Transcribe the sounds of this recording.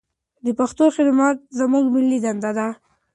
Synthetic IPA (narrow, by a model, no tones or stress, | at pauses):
d̪əpaxt̪oxɪd̪mɑt̪̚zamuɡmɪlːid̪and̪ad̪a